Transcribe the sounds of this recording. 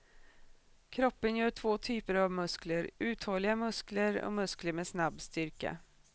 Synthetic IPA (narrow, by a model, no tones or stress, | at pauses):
kʰɾɔpːənjœːʈʰvoːt̪ʰyːpəɾavmɵskləɾʉ̟ːt̪hɔlːɪɡamɵskləɾɔ̰mɵskləɾmeːsnabːst̪ʏɾka̰